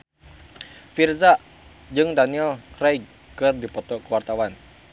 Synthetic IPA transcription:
firzaʔ | d͡ʒɨŋdaniɛlkɾaj | kɨrdipɔt̪ɔkəwart̪awan

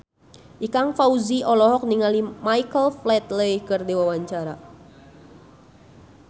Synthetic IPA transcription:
ʔikaŋfauziɔlɔɦɔk̚niŋalimaikəlflɛt̪ləkərdewawaɲt͡ʃaɾa

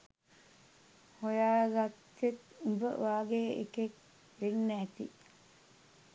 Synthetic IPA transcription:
hojaːɡat̪ːet̪ubə̰ʋaːɡeːḛkek | ɾeŋnæːt̪ḭ

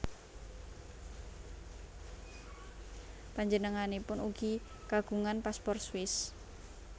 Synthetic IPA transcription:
paɲd͡ʒənəŋanepʊnuɡ̥i | kaɡ̥ṳŋanpaspɔrswɪs

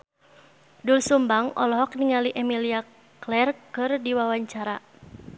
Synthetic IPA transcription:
dulsumbaŋɔ̰lɔɦɔk̚niŋaliʔɛmilia | klɛrkɨrdiwawaɲt͡ʃaɾa

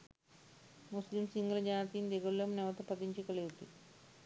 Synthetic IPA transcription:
muslimsiŋɡɐlɐd͡ʑanɐt̪ind̪eɡolːɐmneʋɐt̪ɐpɐd̪iɲt͡ʃikɐlewut̪i

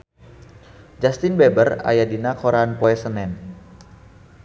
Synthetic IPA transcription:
d͡ʒast̪ɪnbɛbəra̰jadinakoɾanpɔɛsənɛn

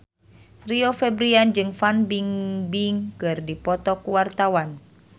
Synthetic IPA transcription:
riofɛbɾiand͡ʒɨŋfanbiŋbiŋkɨrdipɔt̪ɔkuwart̪awan

